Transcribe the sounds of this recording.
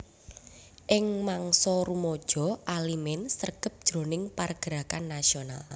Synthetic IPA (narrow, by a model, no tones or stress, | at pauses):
ʔɪŋmaŋsɔɾumɔd̥ʒ̥ɔ̤ʔalimɛnsərɡ̥ə̤p̚d̥ʒ̥ɾo̤nɪŋparɡ̥əɾa̤kanːasional